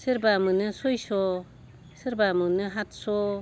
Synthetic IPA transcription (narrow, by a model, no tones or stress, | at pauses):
sɯɾbamɯnɯsojsɔ | sɯɾbamɯnɯɦat̚sɔ